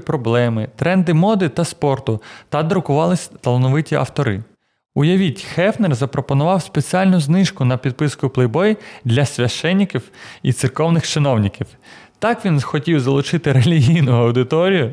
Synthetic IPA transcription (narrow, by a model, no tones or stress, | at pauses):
pɾɔblˠɛmɪt̪ɾɛnd̪ɪmɔd̪ɪt̪ɐspɔrt̪ʊt̪ɐd̪ɾʊkʊʋɑlˠɪsʲt̪ɐlˠɐnɔʋɪtʲiʔɐ̰wt̪ɔɾɪ̰ | ʊjɐʋʲitʲxɛfnerzɐpɾɔpɔnʊʋɑwspet͡sʲiɑlʲnʊznɪʃkʊnɐpʲid̪̚pɪskʊplˠɪbɔjid̪lʲɐsʲʋʲɐʃt͡ʃɛnʲːikʲiwit̪sɪrkɔwnɪxt͡ʃɪnɔwnʲikʲiw | t̪ɑkʋʲinxɔtʲiwzɐlˠʊt͡ʃɪt̪ɪɾelʲiɦijnʊɐwd̪ɪt̪ɔɾʲijʊ